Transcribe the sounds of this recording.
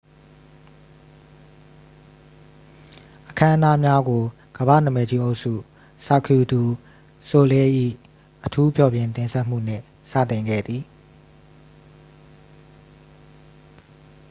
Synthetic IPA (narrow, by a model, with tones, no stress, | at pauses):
ʔəkʰã˦ʔə˦na˦mja˦ɡo˨ | ɡ̥əbä̰˦˨nə˨mɛ˨d͡ʑi˦ʔo˦ʊʔsṵ˦˨ | sa˨kʰju˨d̪u˨ | so˨lɛ˦ʔḭ˦˨ | ʔətʰu˦pʰjɔ˨bjɪ̃˨nt̪ɪ̃˨nsʰɛ˦ʔm̥ṵ˦˨n̥ɪ̰̃˦˨ | sä̰˦˨t̪ɪ̃˨ŋɡɛ̰˦˨d̪ði˨